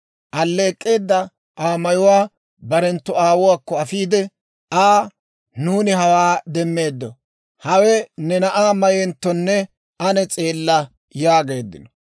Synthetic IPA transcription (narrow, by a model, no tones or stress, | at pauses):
ʔɐlːe̞ːkʼːe̞ːd̪ːɐ | ʔaːmɐjʊwaː | bɐɾɛnt̪ːɔaːwʊwaːkːɔɐfiːd̪ɛ | aː | nuːnɪɦɐwaːd̪ɛmːe̞ːd̪ːɔ | hɐwɛnɛnɐʔaːmɐjɛnt̪ːɔnːɛ | ɐnɛt͡sʼe̞ːlːɐ | jaːɡe̞ːd̪ːɪ̰nɔ